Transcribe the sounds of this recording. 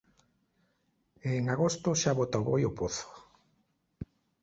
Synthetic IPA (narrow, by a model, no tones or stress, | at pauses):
eŋaɣost̪ʊʃaβot̪awβojopoθo̥